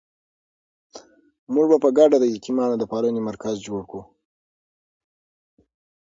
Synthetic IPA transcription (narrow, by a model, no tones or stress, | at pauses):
muʐbapəɡaɖad̪əjakimɑnod̪əpɑlənemaɾkazd͡ʒoɽku